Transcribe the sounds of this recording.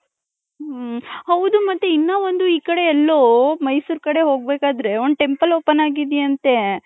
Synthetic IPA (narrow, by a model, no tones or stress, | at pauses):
hɐwd̪umɐt̪ːuinːaːʋond̪uiːkɐɽe̞ːlːomɐjsuːɾkɐɽe̞ɦo̞ːɡ̚beːkaːd̪ɾe̞ond̪ʈe̞mpɐloːpːɐnaːɡid̪eɐnt̪e̞